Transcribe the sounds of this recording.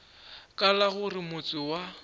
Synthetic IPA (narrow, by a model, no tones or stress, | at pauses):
kʼalaɣʊrɪmʊt͡sʼɪwa